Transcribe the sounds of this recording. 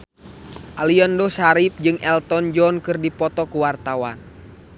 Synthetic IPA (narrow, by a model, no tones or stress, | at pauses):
ʔaliɔndɔsaɾip̚d͡ʒɨŋɛlt̪ɔnd͡ʒɔnkɨrdipɔt̪ɔkuwart̪awa̰n